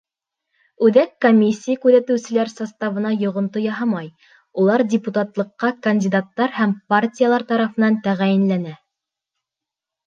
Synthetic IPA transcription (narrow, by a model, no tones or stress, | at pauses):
ʉðækːomʲːisʲːijakʉðæt̪ɘ̆wsɘ̆læɾsɑst̪ɑvɤ̆nɑjŏʁŏnt̪ojɑɦɑmɑj | ulˠɑɾdʲɪput̪ɑt̪lˠɤ̆qːɑkɐnʲdʲɪd̪at̪ːɑɾhæmpartʲijalˠɑɾt̪ɑɾɑfɤ̆nɑnt̪æʁæjɘ̆nlænæ